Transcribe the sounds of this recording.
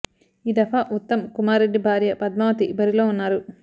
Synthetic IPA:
iːd̪ɐfaːʔut̪ːɐmkumaːɾe̞ɖːibʱaːɾjɐpɐd̪̚maːʋɐt̪ibɐɾilo̞ːunːaːɾu

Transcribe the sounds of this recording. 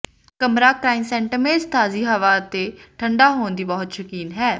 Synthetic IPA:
kəmɾaːkɾaːɪnsɛ̃ːɳʈəmeːzt̪ʰaːziːɦəʋaːət̪eːʈʰəɳɖaːɦoːnd̪iːbɔːʊt̪ʃəkiːnɦɛː

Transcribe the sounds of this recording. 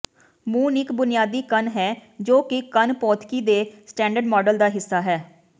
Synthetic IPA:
mũːnɪkbʊnɪjaːd̪iːkənɦɛːd͡ʒoːkɪkənpɔːt̪ʰkiːd̪eːsʈɛ̃ːɳɖəɾɖmɔːɖəld̪aːɦɪsːaːɦɛː

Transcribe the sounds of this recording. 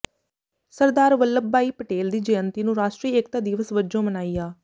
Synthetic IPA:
səɾd̪aːɾʋəlːəbbaːiːpəʈeːld̪iːd͡ʒɛənt̪iːnũːɾaːʃʈɾiːek̚t̪aːd̪iːʋəsʋəd͡ʒõːmənaːiːaː

